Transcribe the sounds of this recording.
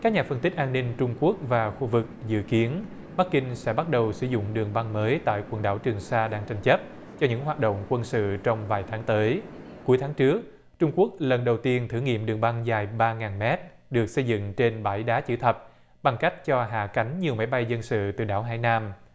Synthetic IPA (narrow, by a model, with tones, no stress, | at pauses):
ka˦˥k̚ɲaː˨˩fə˧nt̪ï˦˥k̟̚ʔaː˧nːï˧ŋt͡ɕʊ˧ŋ͡mku˦˥ək̚vaː˨˩xu˧vɨ˨˩k̚zɨ̰˧˨ki˨˦ən | ɓa˦˥k̚ːï˧ŋ̟sɛ̰˧˥ɓa˦˥t̚ɗə˨˩wsɨ̰˧˩zʊ̰˧˨ŋ͡mɗɨ˨˩əŋɓa˧ŋməː˨˦jt̪a̰ː˧˨jkwə˧˩nɗa̰ː˧˩wt͡ɕɨ˨˩əŋsaː˧ɗaː˧ŋt͡ɕa˧jŋ̟t͡ɕə˦˥p̚ | t͡ɕɔ˧ɲɨ̰˧˥ŋɦwaː˨˩t̚ɗo̰˧˨wŋ͡mkwə˧nsɨ̰˧˨t͡ɕɔ˧wŋ͡mvaː˨˩jt̪ʰaː˨˦ŋt̪əː˨˦jku˨˦jt̪ʰaː˨˦ŋt͡ɕɨ˦˥ək̚ | t͡ɕʊ˧ŋ͡mku˦˥ək̚lə˨˩nɗə˨˩wt̪i˧ənt̪ʰɨ˧˩ŋḭ˧˨əmɗɨ˨˩əŋɓa˧ŋzaː˨˩jɓaː˧ŋaː˨˩nmɛ˦˥t̚ | ɗɨ˨˩ək̚sə˧jzɨ̰˧˨ŋt͡ɕe˧nɓaː˧˩jɗaː˨˦t͡ɕɨ̰˧˩t̪ʰə˨˩p̚ | ɓa˨˩ŋka˦˥jk̟̚t͡ɕɔ˧ɦa̰ː˧˨ka˨˦jŋ̟ɲi˨˩əwma˨˦jɓa˧jzə˧nsɨ̰˧˨t̪ɨ̰˨˩ɗa̰ː˧˩wɦa̰ː˧˩jnaː˧m